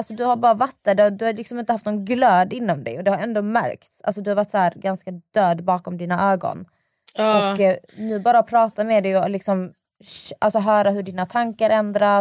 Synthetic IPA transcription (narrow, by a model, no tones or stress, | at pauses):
alsɔd̪ɵhaɾbɑːɾavat̪ːəd̪ɛd̪ɵhaɾlɪksɔmɪnt̪əhaft̪nɔɡnɡløːd̪ɪnːɔmd̪ɛ̰jɔd̪ɛhaɾɛnd̪oːmæ̰ɾkt̪sʔa̰lsɔd̪ɵhaɾvaʈ̪ːshæːɾɡanskad̪̥øːd̪bɑːkɔmd̪iːnaʔøːɡɔ̰n | ɔkːnʉ̟ːbɑːɾapʰɾɑːt̪amɛːd̪ɛjɔlɪksɔm | alsɔɦœːɾaɦɵɖiːnat̪ʰaŋkaɾɛnd̪ɾa